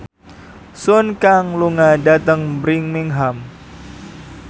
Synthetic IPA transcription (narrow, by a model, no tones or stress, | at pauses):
sʊnkaŋluŋadat̪əŋbɾɪŋmiŋɦam